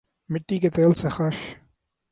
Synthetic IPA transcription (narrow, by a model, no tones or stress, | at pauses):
mɪʈːiket̪eːlsexɐʃ